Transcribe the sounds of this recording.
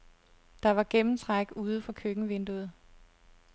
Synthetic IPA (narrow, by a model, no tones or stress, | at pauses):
d̥ɑ̈ʋɑ̈ɡ̥emm̩t͡sʰʁaɡ̥̚uːð̞ˠəfɒ̽kʰøɡ̥ŋ̩ʋe̝nd̥uð̞̩ˠ